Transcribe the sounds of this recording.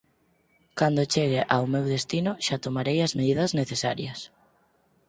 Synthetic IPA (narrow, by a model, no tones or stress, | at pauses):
kand̪ot͡ʃeɣeʔawmewðest̪inoʃat̪omaɾejɐzmeðiðɐzneθesaɾjɐs